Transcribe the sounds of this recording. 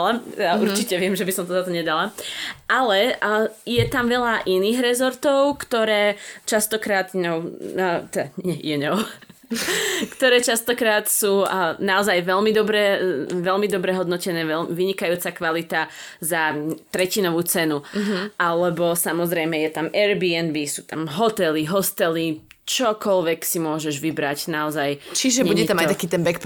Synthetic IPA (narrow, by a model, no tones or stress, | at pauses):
lajaʔuɾt͡ʃicɛʋɪɛmʒɛbisɔmt̪ɔzat̪ɔɲɛd̪alaʔalɛjɛt̪amʋɛʎaʔiniːɣɾɛzɔɾt̪ɔʊkt̪ɔɾɛːt͡ʃast̪ɔkɾaːt̪ɲɔʊt̪ɛd̪aɛjɛɲɔʊ | kt̪ɔɾɛːt͡ʃast̪ɔkɾaːt̪suːnaɔzajʋɛlmid̪ɔbɾɛʋɛlmid̪ɔbɾɛɦɔd̪nɔcɛnɛːʋɛmʋiɲikajuːt͡sakʋalit̪a | zat̪ɾɛcinɔʋuːt͡sɛnuʔalɛbɔsamɔzɾɛjmɛjɛt̪amɛɾbiɛnbisuːt̪amɦɔt̪ɛliɦɔst̪ɛli | t͡ʃɔkɔlʋɛksimʊɔʒɛʒʋibɾacnaɔzajt͡ʃiʒɛbɲɛuɟɛt̪amajt̪akiːt̪ɛnbɛkp